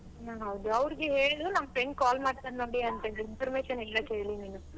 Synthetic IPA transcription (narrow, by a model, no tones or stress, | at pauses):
naɦɐʋd̪uɐʋɾiɡeɦeːɭid̪unɐmːɐpɾeɳʈ̚kaːlmaːɖt̪ɐnnoːɽiɐnt̪ɐd̪inpʰɐɾmeːʃɐnɦeːɭɐkɦe̞ːɭliniːnu